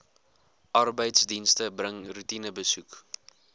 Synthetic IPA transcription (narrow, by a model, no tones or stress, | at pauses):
ʔɐrbəjtsdinstəbrəŋrutinəbəsuk